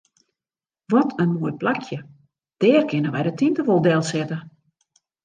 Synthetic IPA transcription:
ʋɔtʰənmoːjplakʰjə | d̥ɛːrkɪnəʋɛjdətʰintəʋolˠdɛlˠsɛtə

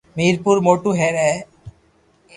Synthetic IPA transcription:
miɾpuɾmoʈuɦeɾɛ

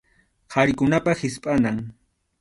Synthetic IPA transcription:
haɾkʊnapahɪspʼanaŋ

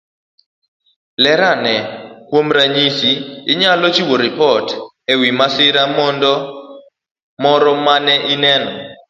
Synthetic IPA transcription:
lɛɾanɛkwomɾaɲisiɪɲalɔt͡ʃiwoɾɪpɔt | ɛwimasɪɾamɔndɔ | mɔɾɔmanɛʔinɛnɔ

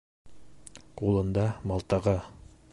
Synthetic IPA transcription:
qulˠɤ̆nd̪ɑmɑlˠt̪ɑʁɑ

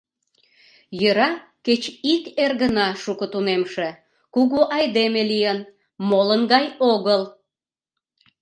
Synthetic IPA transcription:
jəɾɑ | ket͡ɕikerɣənɑʃukət̪unemʃe | kuɣuʔɑjd̪emelijən | molənɣɑjoɣəl

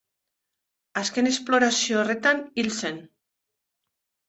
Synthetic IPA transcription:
aske̞ne̞splo̞ɾasio̞ːre̞t̪anilse̞n

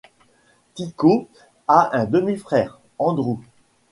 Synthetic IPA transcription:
t̪iko | aʔɛ̃d̪əmifχɛːʁ | ɑ̃d̪ʁu

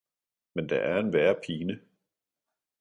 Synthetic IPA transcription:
mend̥ɑ̈ʔæɐe̝nʋæɐpʰiːnə

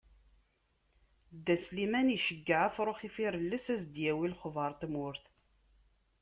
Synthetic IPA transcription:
d̪æslimæniʃəɡːəʕafɾˤoχifiɾəlːəsæzd̪jæwilχvɑɾˤt̪mʊɾθ

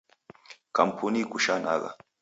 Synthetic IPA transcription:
kampʰunikuʃana̰ɣa̰

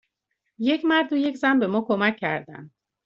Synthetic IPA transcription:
je̞cʰmæɾd̪oje̞cʰzænbe̞mɒːkʰomæcʰːæ̰ɾd̪æ̰nd̪

